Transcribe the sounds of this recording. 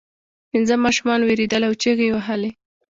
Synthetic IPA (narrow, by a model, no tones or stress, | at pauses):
pinzəmɑʃumɑnweɾid̪əlawt͡ʃeɣewaɦəle